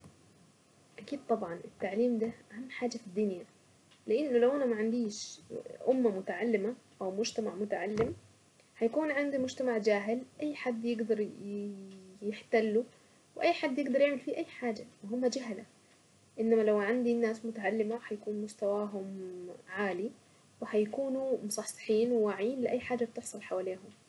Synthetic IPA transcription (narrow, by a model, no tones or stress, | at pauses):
ʔakiːd̪̚t̪ˤɑbʕɑnʔɪt̪ːaʕliːmd̪aʔahamːħaːd͡ʒafid̪ːʊnja | lɪʔɪnːʊlawʔanamaʕand̪iːʃʔʊmːamʊt̪aʕalːɪmaʔawmʊd͡ʒt̪amaʕmʊt̪aʕalːɪm | ħajakuːnʕand̪imʊd͡ʒt̪amaʕd͡ʒaːɦɪlʔajːħad̪ːjɪɡd̪ɑɾˤ | jɪħt̪alːu | wɪʔajːħad̪ːjɪɡd̪ɑɾˤjɪʕmɪlfiʔajːħaːd͡ʒawɪɦʊmːad͡ʒaɦla | ʔɪnːamalawʕand̪inːaːsmʊt̪aʕalːɪmaħajakuːnmʊst̪awaːɦʊmʕaːli | wɪhajkuːnumʊsˤɑħsɪ̥ħiːnwɪwaːʕjiːnlɪʔajːħaːd͡ʒːab̚t̪ɪħsˤɑlħawaːleːɦʊm